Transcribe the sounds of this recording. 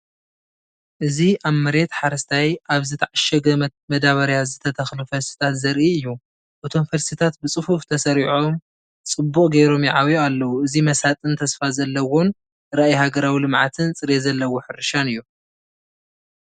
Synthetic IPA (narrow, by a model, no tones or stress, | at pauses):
ʔɨziʔaβmɐɾe̞t̪ħaɾɐst̪ʰajʔaβzɨt̪ʰaʕaʃɛɡɐmɐd̪aβɐɾjazɨt̪ʰɐt̪ʰɐxlufɐɾsi̥t̪ʰat̪zɐɾʔiɨjːu | ʔɨt̪ʰo̞mfɐɾsit̪ʰat̪bɨt͡sʼɨfuft̪ʰɐsɐɾiʕom | t͡sʼɨbːukʼɡejɾo̞mjiʕaβjoalːɐwuɨzimɐsat̪ʼɨnt̪ʰɐsfazɐlːɐwon | ɾaʔjhaɡɐɾawilɨmʕat̪ʰɨnt͡sʼɨɾezɐlːɐwoħɨɾʃanɨjːu